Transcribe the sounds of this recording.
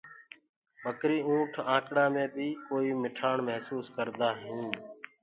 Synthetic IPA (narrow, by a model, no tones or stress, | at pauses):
bəkɾiːũːʈʰãːkɽaːmẽːbʱiːkoːiːmɪʈʰaːɳməɦsuːskəɾd̪aːɦĩː